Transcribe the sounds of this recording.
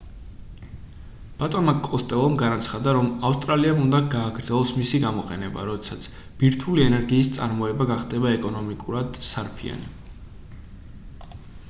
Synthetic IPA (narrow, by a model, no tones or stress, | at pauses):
b̥at̪ʼɔnmakʼɔst̪ʼɛlˠɔmɡanat̪sʰχad̪aɾɔmafst̪ʼɾaliamund̪aɡaːɡɾd̪zɛlˠɔsmisiɡamɔqʼɛnɛba̰ɾɔd̪ɛsat̪sʰ | b̥iɾt̪ʰuliɛnɛɾɡiːst̪sʼa̰ɾmɔɛbaɡaχd̪ɛbaɛkʼɔnɔmikʼuɾad̪̥saɾpʰḭa̰nḭ